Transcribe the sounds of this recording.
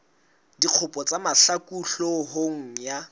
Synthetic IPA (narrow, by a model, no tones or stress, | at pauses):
diq͡χʰʊpʼɔt͡sʼamaɬakʼuɬoɦoŋ̩ja